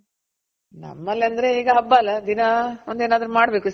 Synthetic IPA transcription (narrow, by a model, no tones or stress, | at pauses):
nɐ̰mːɐlːɐnd̪ɐɾeeːɡɐɦɐbːɐlːɐd̪inɐond̪eːnaːd̪ɾumaːɽbe̞ːku